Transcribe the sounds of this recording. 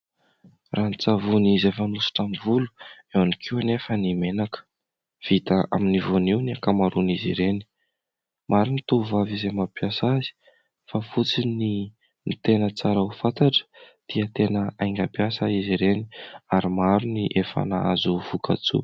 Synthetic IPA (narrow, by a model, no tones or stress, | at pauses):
ranit͡savunizefənusi̥ʈ͡ʂamivulu̥ | ewanikʰiwanefənimenakə̥ | v̥it̪əa̰minivuniwniakamaɾunizḭɾeni̥ | mʔaɾinit̪uvavizemapiasazi̥ | fafut͡sini | nit̪enət͡saɾaufant̪aʈ͡ʂə̥ | d̪̥iət̪enəajŋɡapiasaiziɾeniaɾimaɾuniʔefa̰na̰azuvuka̰t͡sṵ